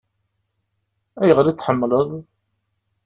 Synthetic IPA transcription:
æjəʁɾit͡sːħəmːləðˤ

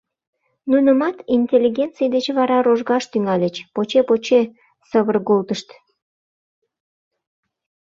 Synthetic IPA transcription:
nunəmɑt̪inʲtʲelʲːiɡʲent̪t͡sijd̪et͡ɕβɑɾɑɾoʒɣɑʃt̪yŋɑlʲet͡ɕpot͡ɕepot͡ɕe | səβərɣolt̪əʃt̪

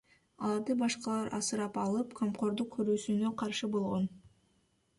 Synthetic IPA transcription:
ɑlˠɑɾd̪ɯbɑʃqɑlˠɑɾʔɑ̰sɯɾɑpɑlˠɯpkʰomqo̞ɾd̪uq̚kʰøɾyːsynøqʰɑɾʃɯbo̞lˠʁo̞n

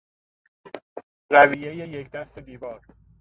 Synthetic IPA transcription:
ɾæviːje̞jejecʰd̪æst̪e̞d̪iːvɒːɾ

